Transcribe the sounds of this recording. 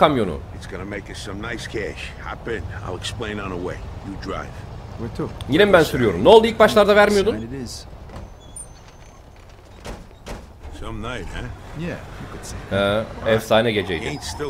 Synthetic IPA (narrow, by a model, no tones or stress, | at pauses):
kamjo̞nṵɨtsɡ̥ʌnəmeɪkʌssʌ̃mnaɪskʰæʃhæ̰pɨ̃na̰ɪlˠɛksplẽɪ̃nə̃nəweɪjɨdɹa̰ɪv̥wɪtʰujinɛmbænsyɾyjo̞ɾumnolˠd̪uilʲk̚bat͡ʃlˠaɾd̪avæɾmijo̞d̪unɾɪz̥ | sʌ̃mnaɪæjæjkɨd̥sihɛɛfsaːnɛɡe̞d͡ʒej̪ɪ̃nstɪ